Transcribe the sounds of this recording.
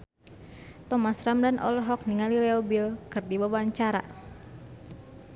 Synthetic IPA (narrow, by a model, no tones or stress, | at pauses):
t̪ɔmasramdanʔɔ̰lɔɦɔk̚niŋalilɛɔbilkɨrdibawaɲt͡ʃaɾa̰